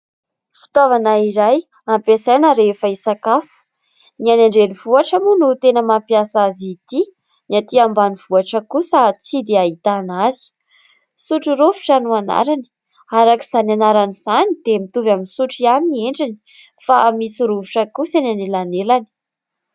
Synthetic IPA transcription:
fi̥t̪ovanaiɾaj | ampesajnəɾefaisakafu̥ | nianaɳɖ͡ʐelivuaʈ͡ʂamunut̪enəmampiasazit̪i | niat̪iambaniv̥uaʈ͡ʂəkusat͡sid̪eaɦit̪anazi̥ | suʈ͡ʂiɾuvu̥ʈ͡ʂanuana̰ɾani̥ | aɾakiz̥ananaɾaniz̥anid̪emit̪uvaminsuʈ͡ʂianiieɳɖ͡ʐini̥ | faːmisiɾuvuʈ͡ʂəkusananilanelani̥

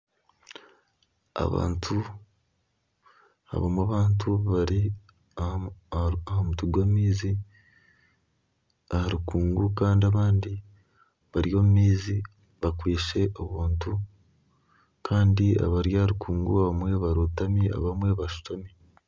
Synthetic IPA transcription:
a̰βa̰ːntʰu | ha̰βomwaβaːntʰuβaɾi | ahomutuɡwamiːzi | ahaɾukuːŋɡukaːndiaβaːndi | βaɾjo̞ːmumiːzi | βakwiːʃe̞ʔoβuːntu | kʰaːndia̰βaɾjahaɾukuːŋɡuaβamwe̞βaɾutamia̰βamwe̞βaʃu̥tomi

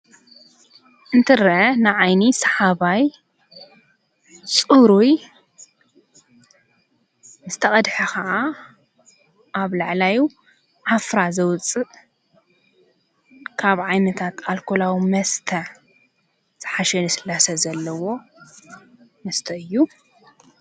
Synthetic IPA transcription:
ʔɨnt̪ʰɨɾɐʔɐnɨʕajnisɐħaβaj | t͡sʼɨɾuj | nɨzɨ̥t̪ʰɐχʼɐd̪ħɐkɐʔa | ʔaβlaʕlaju | ʕafɾazɐwt͡sʼɨʔ | kʰaβʕajnɐt̪ʰat̪alkʰolawimɐst̪ʰɐʕ | z̥ɨħaʃɛnɨsɨlːasɐzɐlːɐwo̞ | mɐst̪ʰɐʔɨjːu

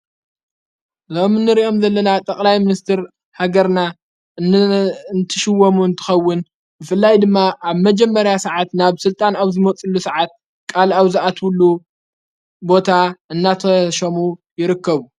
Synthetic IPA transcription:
zomɨnːɨɾiʔo̞mzɐlːɐnat̪ʼɐkʼlajmɨnist̪ʰɨɾ | haɡɐɾna | ɨnt̪ʰɨʃɨwːomuɨnt̪ʰɨ̥xɐwːʊn | bɨfɨlːajd̪ɨmːaʔaβmɐd͡ʒɛmːɐɾjasɐʕat̪naβsɨlt̪ʼanaβzɨmɐt͡sʼɨlːusɐʕat̪̚ | kʼalaβzɨʔat̪wʊlːu | bo̞t̪ʰaɨnːat̪ʰɐʃɐmujɪɾɨkːɐβu

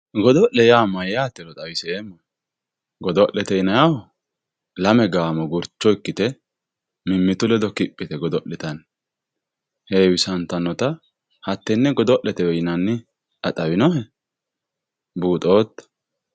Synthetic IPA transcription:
ɡɔd̪ɔʔlɛjaːmːɐjjaːt̪ːɛlɔt̪ʼɐwɪsɛemːɐ | ɡɔd̪ɔʔɛt̪ɛjɪnɐjawɔ | lɐmɛɡaːmɔɡʊɾt͡ʃːɔɪkːɪt̪ɛ | mɪmːɪt̪ʊlɛd̪ɔkɪpʼːɪt̪ɛɡɔd̪ɔʔlɛt̪ɐn | heːwɪsɐnt̪ːɐnːɔt̪ɐ | hɐt̪ːɛnːɛɡɔd̪ɔʔɛt̪ɛwɛjɪnɐnːɪ | ɐt̪ʼɐwɪnɔɦɛ | buːt̪ʼo̞ːt̪ːɐ̥

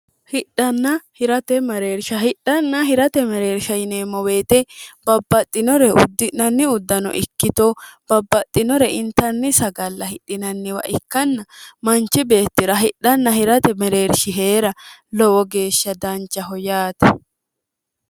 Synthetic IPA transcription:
hɪɗːɐnːɐhɪɾɐt̪ɛmɐɾeːɾʃɐhɪɗɐnːɐɦɪɾɐt̪ɛmɐɾe̞ːɾʃɐjɪneːmːɔwe̞ːt̪ɛb̥ɐbːɐt̪ʼːɪnɔɾɛʊ̰d̪ːɪnɐnːɪʊd̪ːɐnɔ̰ʔɪkːɪt̪ob̥ɐbːɐt̪ʼːɪnɔɾɛɪnt̪ɐnːɪsɐɡɐlːɐhɪᶑːɪnɐnːɪwɐ̰ʔɪkːɐnːɐmɐnt͡ʃːɪbe̞ːt̪ːɪɾɐɦɪɗɐnːɐhɪɾɐt̪ɛmɛɾe̞ːɾʃɪɦeːɾɐlɔwɔɡe̞ːʃːɐd̪ɐnt͡ʃːɐɦɔjaːt̪ɐ

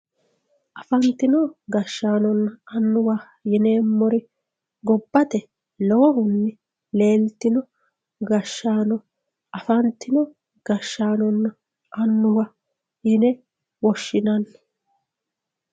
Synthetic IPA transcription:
ʔɐfɐnt̪ːɪnɔɡɐʃːaːnɔnːɐɐnːʊwɐ | jɪneːmːɔɾɪ | ɡɔbːɐt̪ɛ | lɔwɔhʊnːɪ | le̞ːlt̪ɪnɔ | ɡɐʃːaːnɔ | ʔɐfɐnt̪ːɪnɔ | ɡ̥ɐʃːaːnɔnːɐ | ʔɐnːʊwɐ | jɪnɛ | wɔʃːɪnɐnː

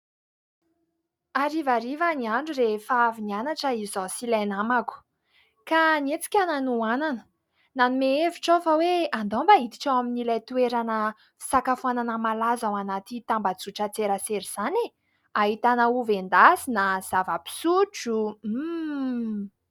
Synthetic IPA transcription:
aɾivaɾivaniaɳɖ͡ʐuɾefaavinianaʈ͡ʂəizizasilajnamaku̥ | kanet͡si̥kʲananuananə̥ | nanumeeviʈ͡ʂofəweand̪ombaɦit̪i̥ʈ͡ʂawaminilajt̪ueɾanə | fi̥sakafuananəmalazawanat̪it̪ambad͡zuʈ͡ʂət͡seɾaseɾiz̥ane | aɦit̪anəuvend̪asinaz̥avəpi̥suʈ͡ʂu

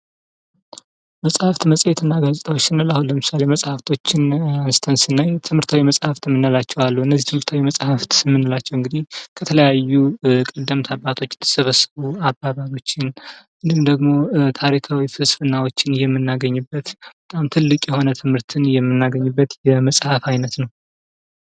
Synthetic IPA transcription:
məsʼhaft̪məsʼjɛt̪ʰɨnːaɡazʼt̪ʰawot͡ʃːɪnːɨlahunləmɨsale̞məsʼhaft̪ʰo̞t͡ʃːɪnanst̪ʰənsɨnːajt̪ʰɨmhɨɾt̪ʰawiməsʼhaft̪ɨmːɨnːalat͡ʃːɛwalːuɨnːəzːit̪ɨmhɨɾt̪ʰawiməsʼhaft̪mːɨnːɨlat͡ʃːɛwɨŋɡɨd̪ihkʰət̪ʰələjajːukʼəd̪ːəmt̪ʰabːat̪ʰo̞t͡ʃːt̪ʰːə̥səβəsːəβuabːaβaβio̞t͡ʃːɪnmɨnd̪ɨmd̪əɡmo̞t̪ʰaɾikʰawifɨsfɨnːawot͡ʃːɪnjɛmːɨnːaɡəɲːɨbːət̪b̥ət̪ʼamt̪ʰɨlːɨkʼjɛho̞nət̪ʰɨmhɨɾt̪ʰɨnjɛmːɨnːaɡəɲːɨbːət̪jɛməsʼhafajnət̪nəw

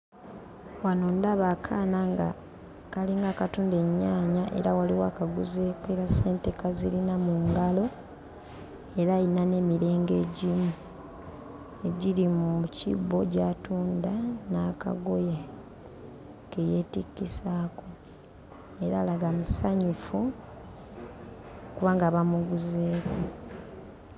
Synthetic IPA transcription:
wanoːndaβakʰaːnaŋɡa̰ | kaliŋɡaːkatuːnde̞ɲːaːɲaʔe̞̰ɾawaliwa̰ːkaɡuzekeɾaseːnte̞kazilinamuŋɡalo̞ | e̞ɾainane̞ːmiɾe̞ːŋɡe̞ɟimu | e̞ɟilimucḭbo̞ɟatuːndanaːka̰ɡo̞je | keje̞ːtikːisaːko̞ | eɾaːlaɡamusaɲufu | okuβaːŋɡaːβamuɡuzeːko

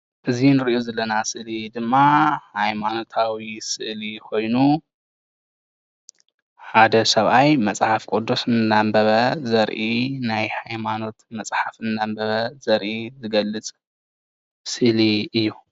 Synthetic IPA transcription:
ʔɨzinɨɾiʔozɐlːɐnasɨʔlid̪ɨmːahajmano̞t̪ʰawisɨʔlikʰo̞jnu | ħad̪ɐsɐβʔajmɐt͡sʼħafkʼod̪ːosɨnːambɐβɐzɐɾʔinajhajmano̞t̪mɐt͡sʼħafɨnːambɐβɐzɐɾʔizɨɡɐlːɨt͡sʼ | sɨʔliɨjːu

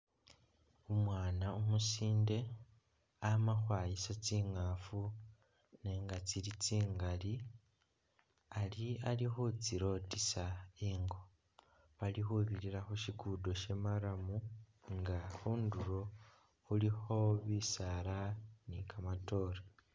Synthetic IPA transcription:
umwaːnaumusiːnde̞ | amaxwaːjisat͡siːŋafu | ne̞ːŋɡat͡siɾit͡siːŋɡali | alialixut͡siɾo̞tisaiːŋɡo̞ | βalixuβiɾiɾaxuʃikuːdo̞ʃe̞maɾamu | ŋɡaxuːnduɾo̞ | ulixo̞βisaɾanikʰamato̞ːɾe

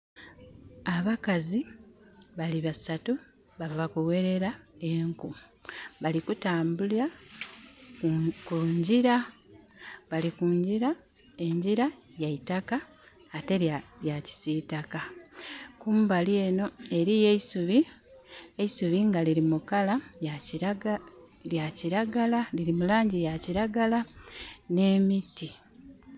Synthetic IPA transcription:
aβakazi | βaliβasatu | βavakuwe̞ɾe̞ɾae̞ŋkuβalikutaːmbulia | kuɲɟiɾa | βalikuɲɟiɾa | e̞ɲɟiɾa | jaitakaː | te̞ljaci̥sitaka | kuːmbalje̞ːno̞e̞ɾijeisuβi | eisuβiŋɡaliɾimukalaj | ljaciɾaɡalaliɾimulaːɲɟijaciɾaɡalane̞ːmiti

